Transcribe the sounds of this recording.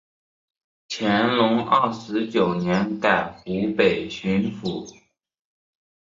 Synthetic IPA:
t͡ɕʰjɛ˧˥nlʊ˧˥ŋɐ˥˩ʂɻ̩˧˥t͡ɕjo˨˩ʊnjɛ˧˥nka˥˩ɪxu˧˥pe˨˩ɪɕy˧˥nfu˨˩˦

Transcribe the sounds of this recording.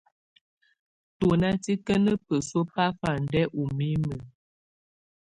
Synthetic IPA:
to˨na˦ti˦kə˦nə˦pə˨so˦pa˦fa˨n˨dɛ˦ʔu˨mi˦mə˨

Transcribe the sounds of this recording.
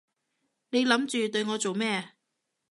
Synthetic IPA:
ne˨˧jlɐ˨˥mt͡ʃyː˨t̪ɵ˧ɥŋɔː˨˧t͡so˨wmɛː˥˩

